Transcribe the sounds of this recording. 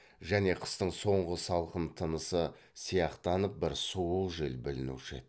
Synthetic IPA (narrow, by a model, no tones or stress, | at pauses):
ʒæne̞qʰə̥st̪əɴso̞ɴʁəsɑlˠqənt̪ʰənəsə | sijɑqt̪ɑnəp̚bɪɾsuwəlˠʒelbɪlɪnṵʃḛt̪